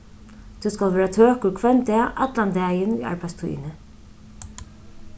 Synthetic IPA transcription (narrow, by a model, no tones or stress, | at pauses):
t̪ʰuskalʋɛːɾat̪ʰøːkʊɾkʰvɛnt̪ɛːʔa̰t̪lant̪ɛːjɪnṵa̰ɹpast̪ʰṵːjɪ̰nɪ